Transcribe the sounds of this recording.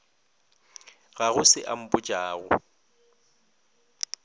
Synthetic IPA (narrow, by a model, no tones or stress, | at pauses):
ɣaɣʊsɪʔam̩bʊt͡ʃʼaːɣʊ̰